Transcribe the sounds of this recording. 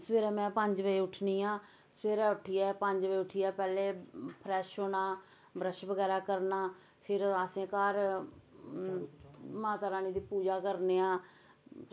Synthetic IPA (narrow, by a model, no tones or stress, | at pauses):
sʋeːɾaːmɛ̃ːpəɲd͡ʒʋəiːʊʈʰniːãː | sʋeːɾaːʊʈʰijɛːpəɲd͡ʒʋəiːʊʈʰijɛːpɛːleːpʰɾɛːʃoːnaː | bɾəʃbəɡɛːɾaːkəɾnaː | pʰɪɾaːsẽːkaːɾ | mãːt̪aːɾaːniːd̪iːpuːd͡ʒaːkəɾneːãː